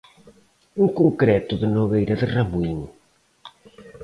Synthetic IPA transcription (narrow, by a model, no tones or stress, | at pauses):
uŋkoŋkɾɛt̪ʊðɪnoɣejɾɐðɪramuiŋ